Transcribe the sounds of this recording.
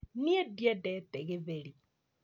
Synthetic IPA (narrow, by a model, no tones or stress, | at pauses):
niɛdjadɛtɛɣeβeɾi